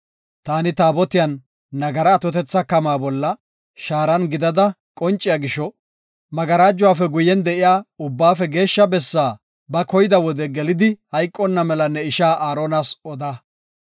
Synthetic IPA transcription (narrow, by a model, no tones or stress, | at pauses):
t̪aːnɪt̪aːbɔt̪ɪjɐnː | ɐɡɐɾɐːt̪ɔt̪ɛt͡sːɐkɐmaːbɔlːɐ | ʃaːɾɐnɡɪd̪ɐd̪ɐ | kʼɔnt͡ʃʼːɪjaɡɪʃɔ | mɐɡɐɾaːd͡ʒːʊwaːfɛɡʊjːɛnd̪ɛʔɪjaːʊbːaːfɛɡe̞ːʃːɐbɛsːaː | bɐkɔjɪd̪ɐwɔd̪ɛɡɛlɪd̪ɪhɐjkʼːɔnːɐmɛlɐnːɛɪʃaːʔaːɾoːnasɔd̪aː